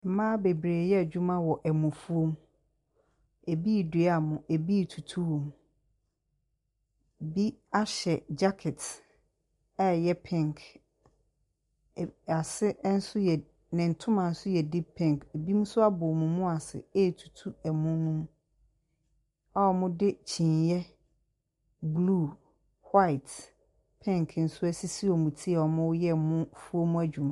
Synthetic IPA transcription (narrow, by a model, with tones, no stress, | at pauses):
mãː˦be˨bɾeː˨jɛ˦˨d͡ʑᶣu˦mã˦wɔ˨ʔɛ˨mʊ̃˨fu˦o˦m | e˨bi˦˨di˨˦a˨mʊ̃˨ʔe˨bi˦˨tʰu˨tʰu˦wõ˨m˨ | bi˦a˦ɕɛ˨d͡ʑa˦kʰɛ˨t | ɛ˦˨jɛ˦pʰɪ̃˦˨ŋkʰ | a˨sɪ˦n̩˦sʊ˦jɛ˨ | nɪ̃˨n̩˨tʰʊ̃˦mã˨n̩˦sʊ˦jɛ˨dɪ˦pʰɪ̃˦ŋke˨bi˦mũ˦sʊ˦a˦bʊ˨mũ˨mʊ̃˦a˨sɪ̰˨eː˦˨tʰu̥˨tʰu˦ɛ˨mʊ̃˦nũ˦m˦ | a˦ɔ˨mʊ̃˦dɪ˦t͡ɕʰĩ˨ɲjɛ˦ | bluː˦˨ | hwa˦ɪ˨t | pʰɪ̃˦ŋkʰn̩˦sʊ˦æ˦si˦si˦ɔ˨mũ˨tʰi˦ɛ˨ɔ˨mʊ̃˦wjɛ˦˨mʊ̃˦fu˦o˦mũ˦æ˦d͡ʑᶣu˨mã˨